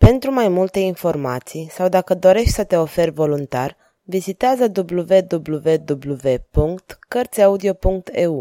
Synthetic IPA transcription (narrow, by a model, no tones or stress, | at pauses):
pe̞nt̪ɾumajmult̪e̞info̞rma̰t̪sijsawd̪akəd̪o̞ɾe̞ʃt̪ʲsət̪e̞o̞fe̞rʲvo̞lunt̪ar | vizit̪eazəd̪ubluve̞d̪ubluve̞d̪ubluve̞puŋkt̪kːərt̪sʲaud̪io̞puŋk̚t̪ʰe̞u